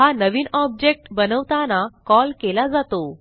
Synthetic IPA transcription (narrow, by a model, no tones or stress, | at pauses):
ɦanəʋiːnɔb̚d͡ʑek̚ʈbənəʋt̪anakɔlkelad͡zat̪o